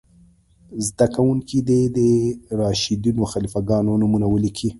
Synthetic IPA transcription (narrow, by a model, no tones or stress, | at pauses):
zd̪akawuŋkid̪ed̪əɾɑʃid̪inoxalifaɡɑnonamunawəlikʰi